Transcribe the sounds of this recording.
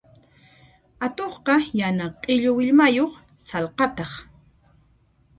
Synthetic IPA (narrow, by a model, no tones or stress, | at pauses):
at̪oχqɑjanaqʼɪʎowɪʎmajoχ | salqɑt̪ɑχ